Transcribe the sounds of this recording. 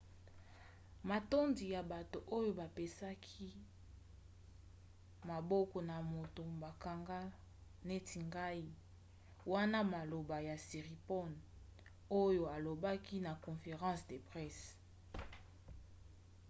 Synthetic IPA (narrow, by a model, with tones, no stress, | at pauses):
ma˨to˦ndi˨ja˨ba˨to˨ʔo˦jo˦ba˨pe˨sa˦kʰi˦ | ma˨bɔ˦kɔ˨na˨mo˨to˨ba˨ka˨ŋɡa˦ | ne˦tʰi˨ŋɡa˦i˦ | wa˦na˦ma˨lo˨ba˨ja˨si˨ʁi˨pɔ˦n | o˦jo˨a˨lo˨ba˦ki˦na˨kɔ̃˨fe˨ʁɑ̃˦sde˨pʁɛ˦s